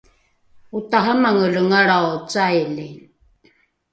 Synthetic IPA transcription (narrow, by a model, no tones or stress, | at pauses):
utaɦamaŋələŋaɽaot͡sajli